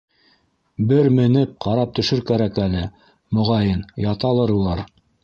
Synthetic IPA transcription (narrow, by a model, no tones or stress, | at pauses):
bɘɾmɘ̆nɘp̚qʰɑɾɑp̚t̪ɵ̆ʃɵɾkæɾækælɘ | mŏʁɑjɤnjɑt̪ɑlˠɤɾulˠɑɾ